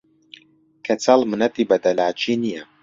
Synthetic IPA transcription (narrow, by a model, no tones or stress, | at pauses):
kʰɐt͡sʰalˠmɨnɐt̪ibɐd̪ɐlaːt͡ʃʰiːnijɐ